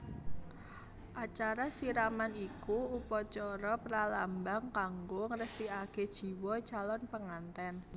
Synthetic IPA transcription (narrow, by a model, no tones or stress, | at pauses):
ʔat͡ʃaɾasiɾamanikuupɔt͡ʃɔɾɔpəɾalambaŋkaŋɡoŋɾəsiaked̥ʒ̥i̤wɔt͡ʃalɔnpəŋant̪ɛn